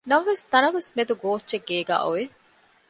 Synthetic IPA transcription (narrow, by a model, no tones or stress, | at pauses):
nɐmɐʋest̪ɐnɐʋesmed̪uɡoːtːʃeɡːeːɡa̰ːʔuʋe